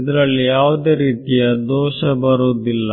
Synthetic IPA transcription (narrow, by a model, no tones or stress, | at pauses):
id̪ɐɾɐɭːijaːʋɐd̪e̞ːɾiːt̪ijɐd̪ɔːʃɐbɐɾoːd̪ilːɐ